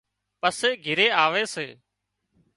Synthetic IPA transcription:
pəseːɡʱɪɾeːaːʋeːseː

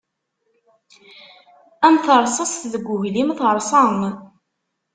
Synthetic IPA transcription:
æmθəɾˤsˤɑsθðəɡʷːʊʝlimθəɾˤsˤɑm

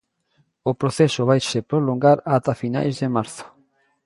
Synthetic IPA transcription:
opɾoθɛsʊβajsepɾoloŋɡaɾat̪afina̰jzðemaɾθo̥

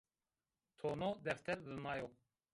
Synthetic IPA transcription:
t̪ʰoːnod̪ɛft̪ʰɛɾdɨmɑːjo

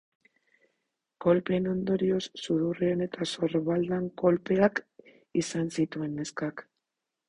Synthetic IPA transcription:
ko̞lpe̞no̞nd̪o̞ɾio̞sːuðureone̞t̪aso̞ɾβald̪aŋko̞lpe̞ak | isansit̪ue̞nːeskak

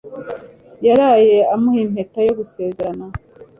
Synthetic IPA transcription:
jaɾaːje̞amuhiːm̥he̞tajo̞ɡuse̞ːzeɾana

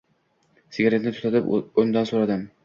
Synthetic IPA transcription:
sɪɡʲaɾenɪt̪ʰʊt̪ʰat̪ɪpond̪ansoɾad̪ɪm

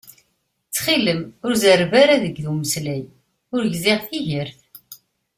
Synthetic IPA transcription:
t͡sːχiləmʊɾzəɾvaɾaðəɡðuməslæj | ʊɾʝzɪʁθiʝəɾθ

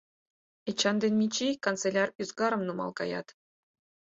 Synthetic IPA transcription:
et͡ɕːɑnd̪enʲmʲit͡ɕikont͡selʲɑryzɡɑɾɤ̆mnumɑ̰lˠkɑjɑ̰t̪

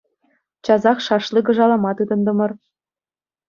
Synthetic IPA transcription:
t͡ɕɑzɑχʃɑʃlˠiɡɤ̆ʒɑlˠɑmɑt̪ɯd̪ɤ̆nd̪ɤ̆mɤ̆r

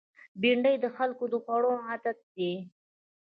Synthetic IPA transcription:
biɳɖəjd̪əxalkod̪əxwaɽoad̪at̪̚d̪i

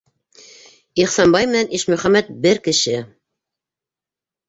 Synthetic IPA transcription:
iχsɑnbɑjmɘ̆nænʔiʃmɵ̆χæmæt̪̚bɘɾkɘ̆ʃɘ

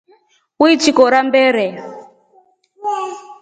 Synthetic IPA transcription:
uit͡ʃikɔɾambɛːɾɛ

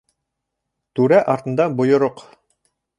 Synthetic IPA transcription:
t̪ʉɾæʔɑɾt̪ɤ̆nd̪ɑbŏjŏɾoq

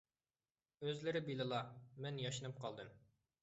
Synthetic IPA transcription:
øzlɪɾɪbilˠɨlˠɑmɛnjɑʃɨnɨp̚qʰɑlˠd̪ɨm

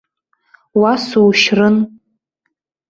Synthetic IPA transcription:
wasowʃrɨn

